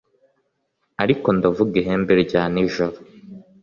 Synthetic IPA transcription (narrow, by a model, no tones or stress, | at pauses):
aɾiko̞ndavuɡiɦembeɾɟaːniʒoɾo